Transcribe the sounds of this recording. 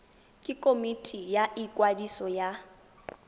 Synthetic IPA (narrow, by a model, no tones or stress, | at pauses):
kʼikʼomitʼijaʔikʼwadisɔja